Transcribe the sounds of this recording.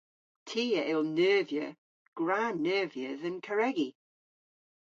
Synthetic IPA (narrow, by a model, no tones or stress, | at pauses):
tʰiːəʔɪlˠnɜːvjə̰ | ɡ̥ɹanɜːvjəðənkʰəɹɛɡi